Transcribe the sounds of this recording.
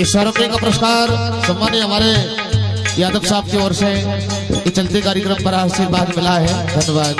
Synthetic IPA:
ɪswaɾəpẽkapɾəʃkaːɾsɐmːaːnjeɦɐmaːɾe | jaːd̪əʋsaːb̚keɔːɾse | ɪt͡ʃɐlt̪ekaːɾjəkɾəmpɐɾaːʃiɾbaːd̪mɪlaɦɛd̪ʱɐnjəʋaːd̪

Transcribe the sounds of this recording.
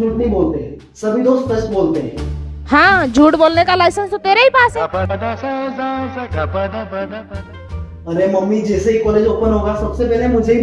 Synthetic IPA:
uːʈnəɦĩboːlt̪eɦɛ̃ | sɐbʱid̪oːst̪pəʃʈ̪boːlt̪eɦɛ̰̃hãːd͡ʒʱuːʈboːlnekalaɪsənst̪ot̪eːɾeɦipaːs | əɾeməmːid͡ʒɛːseɦikɔːleːd͡ʒoːpənɦoːɡasəbsepɛːleɛmʊd͡ʒʱei

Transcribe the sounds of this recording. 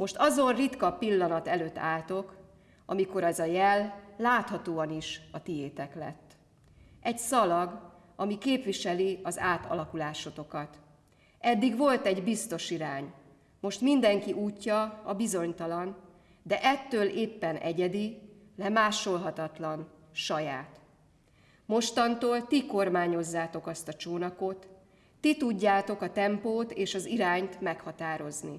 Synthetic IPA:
mo̞ʃt̪ɒzo̞nrit̪kɒpilːɒnɒt̪ɛløːt̪ːa̰ːlt̪o̞k | ɒmiko̞ɾɛzɒjɛlːaːt̪hɒt̪oːɒniʃɒt̪ijeːt̪ɛklɛ̰t̪ː | ɛɟsɒlɒɡ | ɒmikeːpʋiʃɛliɒzaːt̪ɒ̰lɒkulaːʃo̞t̪o̞kɒt̪ | ɛd̪ːiɡʋo̞lt̪ɛɟbist̪o̞ʃiɾaːɲ | mo̞ʃt̪mind̪ɛŋkiʔuːcːɒɒbizo̞ɲt̪ɒlɒn | d̪ɛʔɛt̪ːøːleːpːɛnʔɛɟɛd̪i | lɛmaːʃo̞lɦɒt̪ɒt̪lɒn | ʃɒjaːt̪ | mo̞ʃt̪ɒnt̪oːlt̪iko̞rmaːɲo̞zːaːt̪o̞kɒst̪ɒt͡ʃoːnɒko̞t̪ː | it̪uɟːaːt̪o̞kɒt̪ɛmpoːt̪eːʃɒziɾaːɲt̪mɛkhɒt̪aːɾo̞zni

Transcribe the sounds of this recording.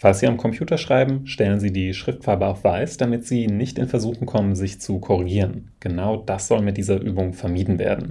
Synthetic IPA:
falsz̥iːamkʰɔmpʰj̥uːtɐʃʁ̥aɪbm̩ʃtɛlənziːdiːʃʁ̥ɪftfaɐbəaʊfv̥aɪsd̥amɪtz̥iːnɪçtɪnfɛɐzuːxʊŋkʰɔmənzɪçt͡sukʰɔʁ̞iɡiːʁən | ɡ̥ənaʊd̥asz̥ɔlmɪt̚d̥iːzɐʔyːbʊŋfɛɐmiːdn̩vḛːɐdn̩

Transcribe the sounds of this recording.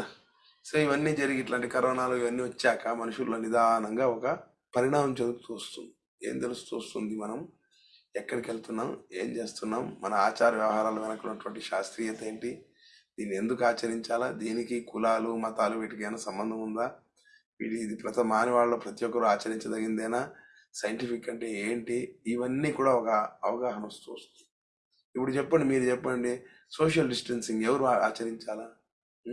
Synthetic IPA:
soːiʋɐnːiːd͡ʒɐɾiɡiʈlaːɳʈikɐɾɔːnaːloːiʋɐnːiːʋɐt͡ʃːaːkɐmɐnuʂulːoːnid̪aːɦnɐŋɡaːɔkɐ | pɐɾiɳaːmɐmt͡ʃed̪ukut̪uʋɐst̪und̪i | e̞̰ːmt̪e̞lust̪uːst̪und̪imɐnɐm | ɛkːɐɽikelt̪unːaːme̞̰ːmt͡ʃe̞ːst̪unːaːmːɐnɐaːt͡ʃaːɾɐʋjɐʋɐɦaːɾaːluʋinɐkːunːɐʈuʋɐɳʈiʃaːst̪ɾiːjɐt̪eːɳʈi | d̪̥iːnːie̞nd̪ukuaːt͡ʃɐɾiɲt͡ʃaːlad̪iːnikikulaːlumɐt̪aːluʋiːʈikɐjnɐsɐmbɐnd̪ʱɐmund̪aː | ʋḭːʈiːd̪ipɾɐt̪ɐmaːniʋaːɭɐloːpɾɐt̪ijɔkːɐɾuaːt͡ʃɐɾiɲt͡ʃɐd̪ɐɡind̪ɛjnaː | sɐjɐɳʈipʰikːɐɳʈe̞ːeːɳʈiːʋɐnːiːkuːɽaːɔkɐːʋɐɡaːɦɐnɐost̪uʋɐst̪u | ipːuɽut͡ʃɛpːɐɳɖimiːɾut͡ʃɛpːɐɳɖi | soːʃ̬ɐlɖisʈɐnsiŋɡɛʋɐɾua̰ːt͡ʃɐɾiɲt͡ʃaːlaː

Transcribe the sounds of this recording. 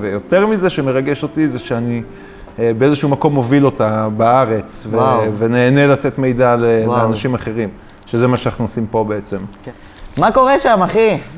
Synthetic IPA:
vejo̞t̪eʁmizeʃeme̞ʁaɡe̞ʃo̞t̪izeʃeani | beezeʃuumako̞mːo̞vilo̞tabaaʁe̞t͡sveveneːne̞lat̪et̪me̞jd̪aleleanaʃimaχe̞ʁim | ʃezemaʃeanaχnuosimpo̞beet͡se̞m | mako̞ʁeʃamaχi

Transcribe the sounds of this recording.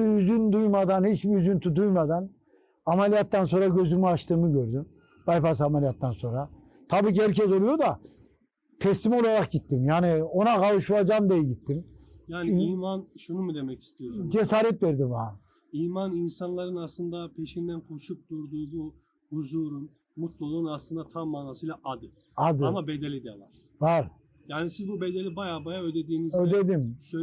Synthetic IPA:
iyzynd̪ujmad̪anhit͡ʃbiyzynt̪ʰud̪ujmad̪an | amelʲijat̪ːanso̞nɾaɟø̞zymyaʃt̪ʰɯːmɯɟø̞ɾd̪ym | b̥ajpas̬amelʲijat̪ːanso̞nɾa | t̪ʰabiːciæɾcɛzo̞lˠujo̞d̪a | t̪ʰɛst̪imo̞lˠaɾak̚ɟit̪ːimjaːnio̞naɡavɯʃlad͡ʒamd̪ejɛɟit̪ːimjaːniiːmanʃunumud̪emɛci̥st̪ʰijoɾsud͡ʒesaːɾɛt̪veɾd̪ima | iːmaninsanlˠaɾɯnaslˠɯnd̪apʰeʃind̪ænkʰuʃup̚d̪uɾd̪uːbu | huzuɾun | mut̪lˠulˠuːnaslˠɯnd̪at̪ʰamːaːnaːsɯjlˠaʔad̪ɯ | ad̪ɯamabed̪elʲid̪ḛlˠaɾ̥ | vaɾ | jaːnisizbubed̪elʲibajaːbajaød̪ed̪iːnizød̪ed̪imsø

